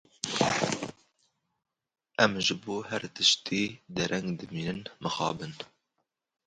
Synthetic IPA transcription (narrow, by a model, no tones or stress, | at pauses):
ʔɛmʒɨboːhɛɾt̪ɨʃt̪ʰiːd̪ɛɾʔɛŋɡd̪ɨmiːnɨnmɨxɑ̰ːbɨn